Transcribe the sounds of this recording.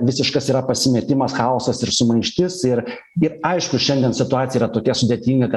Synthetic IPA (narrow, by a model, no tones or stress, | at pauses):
ʋʲɪsʲɪʃkɐsiːɾɐpɐsʲɪmʲɛt̪ʲɪmɐsxɑosɐsɪɾsʊmɐɪʃʲt̪ʲɪsɪɾ | ɪɾɐɪʃkʊʃʲɛnd̪ʲɛnsʲɪt̪ʊɑːt̪sʲɪjɛiɾɐt̪oːkʲɛsʊd̪ʲeɛt̪ʲiːŋɡɐkɐ